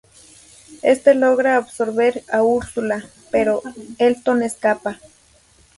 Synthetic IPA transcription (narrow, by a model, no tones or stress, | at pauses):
est̪eloɣɾaːbsoɾβeɾauɾsula | peɾoelt̪oneskapa